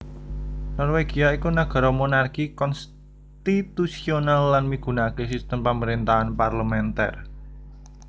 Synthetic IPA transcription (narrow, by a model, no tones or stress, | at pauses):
nɔrweɡ̥i̤aikunaɡ̥ɔ̤ɾɔmonarkikɔns | t̪it̪usionalːanmiɡ̥ṳnakesist̪əmpaməɾint̪aɦanparləmɛnt̪ɛ̰r